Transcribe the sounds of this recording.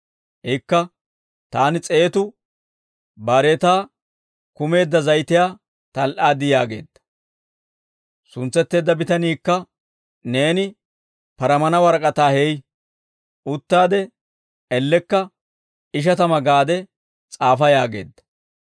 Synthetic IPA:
ʔɛkːɐ | t̪aːnɪt͡sʼe̞ːt̪ʊ | baːɾeːt̪aː | kʊme̞ːd̪ːɐzɐjt̪ɪjaː | t̪ɐlʔaːd̪ɪjaːɡe̞̰ːd̪ːɐ̥ | sʊnt͡sːɛt̪ːe̞ːd̪ːɐbɪt̪ɐniːkːɐ | neːnɪ | pɐɾɐmɐnɐwɐɾkʼɐt̪aːhɛj | ʊt̪ːaːd̪ɛ | ɛlːɛkːɐ | ɪʃ̬ɐt̪ɐmɐɡaːd̪ɛ | t͡sʼaːfɐjaːɡe̞̰ːd̪ːɐ̥

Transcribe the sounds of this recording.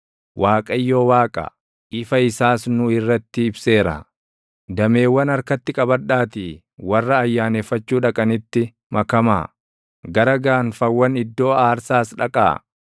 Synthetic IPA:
wʔaːkʼɐjːo̞ːwaːkʼɐ̰ | ʔɪfɐɪsaːsnʊɪrːɐt̪ːɪɪbse̞ːɾɐ̰ | d̪ɐme̞ːwːɐnɐɾkɐt̪ːɪkʼɐbɐᶑːaːt̪iː | wɐrːɐːjːaːnefːɐt͡ʃːuːᶑɐkʼɐnɪt̪ːɪ | mɐkɐma̰ː | ɡɐɾɐɡaːnfɐwːɐnɪd̪ːo̞ːaːɾsaːsᶑɐkʼa̰ː

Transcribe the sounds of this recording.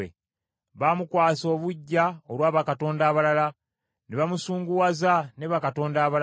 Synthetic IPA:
ḛ | βamukwaːso̞ːβuɟːaolwaːβakato̞ːndaːβalala | neβamusuːŋɡuwazaneβakato̞ːndaːβa

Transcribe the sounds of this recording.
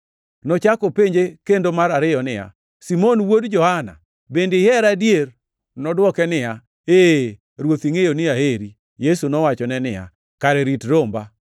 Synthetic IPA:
nɔt͡ʃakopeɲd͡ʒekendomaɾaɾɪɔnɪja̰ | simonwodd͡ʒɔhana̰ | bendɪɛɾadjer | nɔdwɔkɛnɪja | e | ɾwot̪iŋejonɪaheɾi | jesunɔwat͡ʃɔnɛnɪja̰ | kaɾɛɾitɾomba

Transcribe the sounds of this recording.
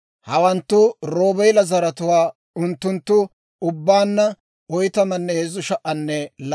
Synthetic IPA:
hɐwɐnt̪ːʊɾo̞ːbɛjlɐzɐɾɐt̪ʊwaː | ʊnt̪ːʊnt̪ːʊ | ʊbːaːnːɐ | ɔjt̪ɐmɐnːɛhezʊʃɐʔɐnːɛl

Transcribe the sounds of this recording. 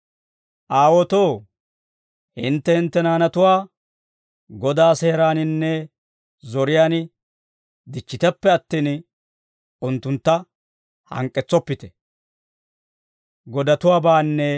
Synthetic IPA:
ʔaːwɔt̪o̞ː | hɪnt̪ːɛhɪnt̪ːɛnaːnɐt̪ʊwaː | ɡɔd̪aːseːɾaːnɪnːɛ | zɔɾɪjaːn | d̪ɪt͡ʃːɪt̪ɛpːɛɐt̪ːiːn | ʊnt̪ːʊnt̪ːɐ | hɐ̰ŋkʼːɛt͡sːɔpːɪt̪ɛ̥ | ɡɔd̪ɐt̪ʊwaːbaːnːɛ

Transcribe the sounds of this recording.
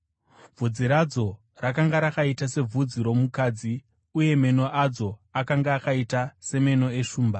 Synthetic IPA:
vʱud͡ziɾad͡zo̞ | rakaŋɡaɾakaitase̞b͡vʱud͡ziɾo̞mukaːd͡zi | uje̞me̞no̞ʔad͡zo̞akaŋɡaːkaitase̞me̞no̞e̞ʂuːmba

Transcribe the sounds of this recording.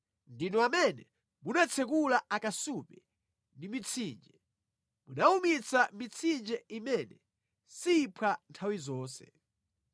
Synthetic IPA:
ndinɔamɛnɛ | munat͡sʰɛkulaakasupɛ | ndimit͡sʰiːnd͡ʒɛ | munaumit͡samit͡sʰind͡ʒɛimɛnɛ | siːpʰantʰawizɔːnsɛ̰

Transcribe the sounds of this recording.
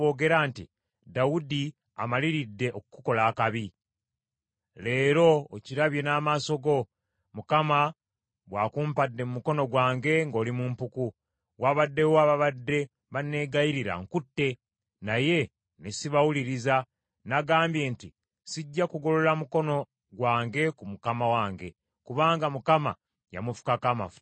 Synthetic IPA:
oːɡe̞ɾantḭ | dawudi | a̰maliɾidːe̞ʔokuku̥ko̞laːkaβi | le̞ːɾo̞ːciɾaβje̞naːmaːso̞ɡo̞ | mukama | βwaːkumpadːe̞mumuko̞no̞ɡwaːŋɡe̞ŋɡo̞ːlimumpuku | waβadːe̞woaβaβadːe̞ | βane̞ɡajiɾiɾa̰ŋkutːe̞ | naje̞ | nesiβawuliɾiza | naɡaːmbje̞ːnti | siɟːakuɡo̞lo̞lamuko̞no̞ | ɡwaːŋɡe̞kumukamawaːŋɡe̞ | kuβaːŋɡamukama̰ | ja̰mufu̥kakama̰fu̥t

